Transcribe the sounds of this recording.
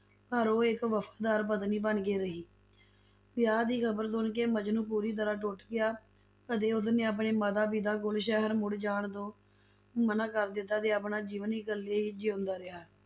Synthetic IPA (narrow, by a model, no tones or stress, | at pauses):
paːɾoːɪkʋəpʰḁːd̪aːɾpət̪niːbənkeːɾəɦiː | pɪjaːd̪iːkʰəbəɾsʊnkeːməd͡ʒnũːpuːɾiːt̪̬əɾaːʈʊʈɡɪjaː | ət̪eːʊs̬neːap̬ɳeːməd̪aːpiːd̪aːkʊlʃɛɦəɾmʊɽd͡ʒaːɳt̪õː | mənaːkəɾd̪ɪt̪ːaːt̪eːaːp̬naːd͡ʒiːʋəniːɡəlːeːiːd͡ʒeːʊ̃nd̪aːɾɪɦaː